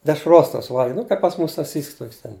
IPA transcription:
dʲɛʃˈroːs toːs ˈʋɐlʲɡʲɛʊ ˈnʊ kɐɪp pɐs ˈmʊs sɐˈsʲiːsks toːkʲsʲ ˈtʲɛn

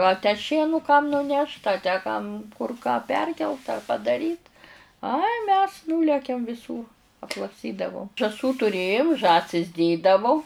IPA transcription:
ɐ tʲæː ˈʃʲiɛnʊ kɐm nʊˈnʲɛʃt ɐ tʲæː kɐm kʊr kɑː ˈpʲɛrʲkʲɛlˠt ɐ pɐdɐˈrʲiːt ɐɪ mʲɛs ˈnuːlʲɛkʲɛm ʋʲɪˈsuːr ɐtlˠɐkˈsʲtʲiːdɐʋoːm ʒɑːˈsuː tʊˈrʲeːjoːm ˈʒɑːsʲɪs ˈdʲeːdɐʋoː

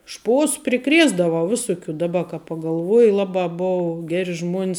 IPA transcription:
ˈʃpoːs pʲrʲɪˈkrʲeːzdɐʋɐʊ ˈʋʲɪsʊˌkʲuː dɐˈbɐ kɐ pɐɡɐlˠˈʋuɔjɪ ˈlˠɑːbɑː ˈbʊʋʊ ˈɡʲæːrʲɪ ˈʒmuɔnʲs

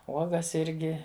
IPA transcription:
ˈuɔɡɐs ˈɪrʲɡʲɪ

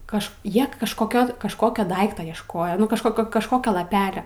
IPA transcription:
ˈkɐʃ ˈjiɛ kɐʃkoːˈkʲoː kɐʃˈkoːkʲoː ˈdɐɪktoː iɛʃˈkoːjoː ˈnʊ kɐʃˈkoːkʲoː kɐʃˈkoːkʲoː lˠɐˈpʲæːlʲoː

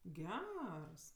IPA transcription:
ˈɡʲɛrs

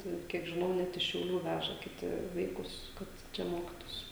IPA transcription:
ˈtɐɪ ˈkʲiɛk ʒʲɪˈnɐʊ ˈnʲɛt ɪʃ ʃʲɛʊˈlʲuː ˈʋʲæʒɐ kʲɪˈtʲɪ ˈʋɐɪkʊs kɐt ˈt͡ʃʲɛ ˈmoːkʲɪtuːsʲɪ

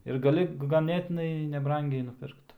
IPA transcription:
ɪr ɡɐˈlʲɪ ɡɐˈnʲeːtʲɪnɐɪ nʲɛˈbrɐŋʲɡʲɛɪ nʊˈpʲɪrkt

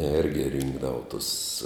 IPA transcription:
ˈɛrʲɡʲɪ ˈrʲɪŋɡdɐʋʊ tʊs

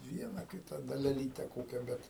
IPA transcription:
ˈʋʲiɛnɐ ˈkʲɪtɐ dɐlʲɛˈlʲiːtʲɛ ˈkoːkʲɛ ˈbʲɛt

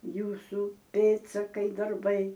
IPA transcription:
ˈjuːsʊ ˈpʲeːtsɐkɐɪ dɐrˈbɐɪ

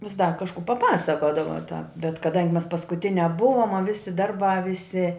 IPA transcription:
ʋʲɪs dɐr kɐʃˈkuː pɐˈpɑːsɐkoːdɐʋɐ tɑːp bʲɛt kɐˈdɐŋʲɡʲɪ mʲɛs pɐskʊˈtʲɪnʲæː ˈbʊʋoːm ɐ ˈʋʲɪsʲɪ ˈdɐrˌbɑː ˈʋʲɪsʲɪ

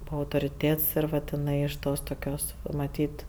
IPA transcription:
ˈbuːɐ ɐʊtoːrʲɪˈtʲeːts ɪr ˈʋɐt ɪˈnɐɪ ɪʃ ˈtoːs toːˈkʲoːs ʋɐ mɐˈtʲiːt

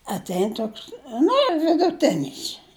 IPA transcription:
ɐtʲˈɛɪn ˈtoːks ˈnʊ jɛʊ ʋʲɪdʊˈtʲɪnʲɪs

